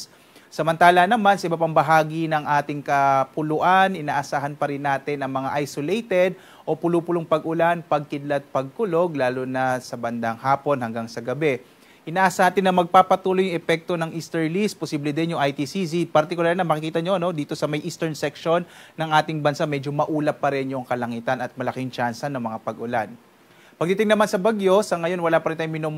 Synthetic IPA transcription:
sɐmɐnt̪aːlɐnɐmansɐʔɪbapɐŋbɐɦaːɡinɐŋʔaːt̪ɪŋkɐpʊlʊʔanʔɪnaːʔɐsaːɦɐnpɐɾɪnːaːt̪ɪnɐŋmɐŋaʔajsolejt̪ɛd̪̚ | ʔo̞pʊlupʊloŋpɐɡʊlanpɐɡ̚kɪd̪lɐt̪̚pɐɡ̚kʊlo̞ɡlaːlonɐsɐbɐnd̪aŋhaːpo̞nhɐŋɡaŋsɐɡɐbɛ | ʔɪnaːʔasɐaːt̪ɪnːɐmɐɡ̚paːpɐt̪uːlojʊŋʔɛpɛk̚t̪o̞nɐŋʔist̪ɛɹlist̪̚posiːblɛd̪ɪnjʊŋɐjt̪isisipɐɾt̪ɪkʊlaɾnɐmɐkɪkiːt̪ɐɲo̞ʔɐno̞d̪iːt̪o̞sɐmɐjʔiːst̪ɛɹnsɛkʃo̞nːɐŋʔaːt̪ɪŋbɐnsamɛd͡ʒomɐʔuːlɐp̚ːɐɾɛnjʊŋkɐlɐŋiːt̪ɐnɐt̪̚mɐlɐkɪŋt͡ʃansɐnːɐŋmɐŋapɐɡʊlan | pɐɡ̚t̪it̪ɪŋnɐmansɐbaɡjo̞sɐŋɐjo̞nwɐlapɐɾɪnt̪ajŋmɪnom

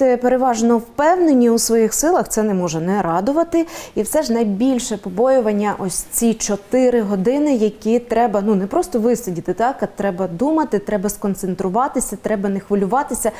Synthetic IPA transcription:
ɛpeɾeʋɑʒnɔwpɛwnenʲːiusʋɔjixsɪlˠɐxt̪sɛnɛmɔʒɛnɛɾɑd̪ʊʋɐt̪ɪiwsɛʒnɐjbʲilʲʃɛpɔbɔjʊʋɐnʲːɐʔɔsʲt͡sʲit͡ʃɔt̪ɪɾɪɦɔd̪ɪnɪjɐkʲit̪ɾɛbɐnunɛpɾɔst̪ɔʋɪsʲɐdʲit̪ɪt̪ɑkɐt̪ɾɛbɐd̪umɐt̪ɪt̪ɾɛbɐskɔnt̪sent̪ɾʊʋɑt̪ɪsʲɐt̪ɾɛbɐnɛxʋɐlʲʊʋɑt̪ɪsʲɐ

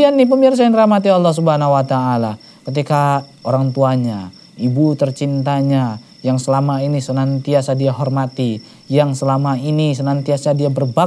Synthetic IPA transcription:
anːɪhpəmirs̬ainrahmat̪iɑlˠːɑhs̬ubɦanawat̪aːla | kət̪̬ikaoɾaŋt̪uaɲa | ibut̪ərt͡ʃint̪aɲa | jaŋsəlamainisənant̪iasadiaɦɔrmat̪i | jaŋsəlamainisənant̪iasadiabərba

